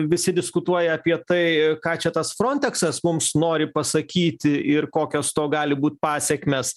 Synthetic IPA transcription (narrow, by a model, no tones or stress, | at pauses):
ʋʲɪsʲɪd̪ʲɪskʊt̪uɔjɛɐpʲiɛt̪ɐɪkɑːt͡ʃʲɛt̪ɐsfɾonʲt̪ʲɛksɐsmʊmsnoːɾʲɪpɐsɐkʲiːt̪ʲɪɪrkoːkʲoːst̪oːɡɑːlʲɪbuːt̪̚ʲpɑːsʲɛkmʲeːs